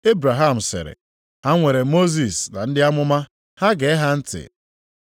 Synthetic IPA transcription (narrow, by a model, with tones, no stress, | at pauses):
e˦bɾa˨ɦa˦˨m̩˨sɪ̰˨ɾɪ̰˨ | ha˦ŋʷe˨ɾe˨mo˦zi˨sna˨n̩˦dɪ˦a˦mʊ˦ma˦ | ha˦ɡe˨e˦ɦa˦n̩˦tɪ̰˨